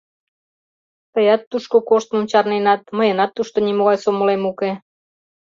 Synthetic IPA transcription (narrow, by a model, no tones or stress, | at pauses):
t̪əjɑt̪ːuʃkokoʃt̪momt͡ɕɑrnenɑt̪̚məjənɑt̪ːuʃt̪onimoɣɑjsoməlemuke